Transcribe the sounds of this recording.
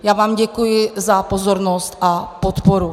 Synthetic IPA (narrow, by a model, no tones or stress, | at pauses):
jaːvaːmɟɛkujɪzapozoɾnost̪ʔapot̪poɾu